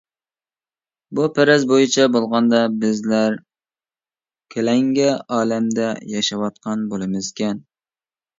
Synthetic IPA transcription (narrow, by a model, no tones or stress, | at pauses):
bupʰæɾɛzbojɪt͡ʃʰɛbolˠʁɑnd̪ɑbɪzlæɾ | kʲʰelɛŋɡʲɛʔɑːlɛmd̪ɛjɑʃɑwɑt̪̚qʰɑnbolˠɨmɪzkʲɛn